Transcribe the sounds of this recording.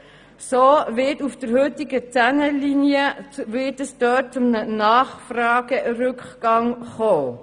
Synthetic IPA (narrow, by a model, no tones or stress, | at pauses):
soːvɪtufd̥əɾhøt̪ɪɡət͡sænəlinjəʋɪtəsd̥œːt̚t͡sʊmnənɑːχfrɑːɡərʏkχɡ̥ɑŋχoː